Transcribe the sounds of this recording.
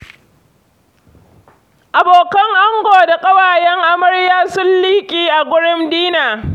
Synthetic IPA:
ʔa˨boː˨kɐ˦ŋʔa˦ŋɡʷoː˨da˨kʼɐ˦waː˨jɛ˦ŋʔa˦mɐ˦ɽjaː˦sʊ˦nliː˦kʲʼiː˦ʔa˨ɡʷʊ˦ɽɪ˦mdiː˦naː˨

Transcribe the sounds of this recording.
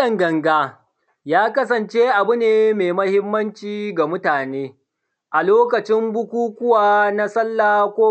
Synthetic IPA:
ɐ˨ŋɡɐ˨ŋɡaː˦ | jaː˦kɐ˦s̬ɐ˨nt͡ʃe˦ʔa˨bʊ˦neː˨meː˨mɐ˦hɪ˦mːɐ˦nt͡ʃiː˨ɡa˨mʊ˦taː˨neː˦ | ʔa˨loː˦kɐ˨t͡ʃɪ˦mbʊ˦kʷuː˦kʷʊ˦waː˨na˦sɐ˦lːaː˨kʷoː˦

